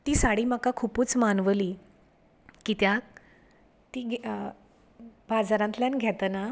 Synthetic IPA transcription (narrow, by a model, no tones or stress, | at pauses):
t̪iːsaɽiːməkakʰuːpuːt͡smanʋəliː | kit̪ja | t̪iːɡ | bad͡zaɾãnt̪ljanɡʱɛt̪əna